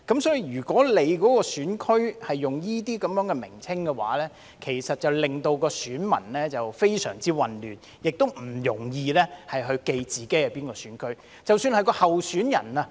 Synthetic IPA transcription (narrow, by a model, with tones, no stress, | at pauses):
kɐ˨˥msɔː˨˧˥ji˨jɥyː˨˩kɔː˨˥le˨˧jkɔː˨˥kɔː˧syː˨˥nkʰɵ˥ɥhɐ˨jːʊ˨ŋjiː˥t̪iː˥kɐ˨˥mjœː˨˥ŋkɛ˧mɪ̰˨˩ŋt͡sʰɪ˥ŋkɛ˧wa̰ː˨˥lɛː˥ | kʰe˨˩jsɐ˨t̚t͡sɐ˨wlɪ˨ŋt̪o˧wkɔː˧syː˨˥nmɐ̰˨˩nlɛː˥t͡sɐ˨wfe˥jsœ̰ː˨˩ŋt͡siː˥wɐ˨nlyː˨˩n | jɪ˨k̚t̪o˥wm̩˨˩jʊ˨˩ŋjiː˧lɛː˥hɐ˨jɦɵ˧ɥke˧jt͡siː˨ke˨˥ja˨˧piː˥nkɔː˧syː˨˥nkʰɵ˥ɥ | t͡sɐ˨wsyː˧nhɐ˨jkɔː˧hɐ˨wsyː˨˥njɐ̰˨˩nɐ˧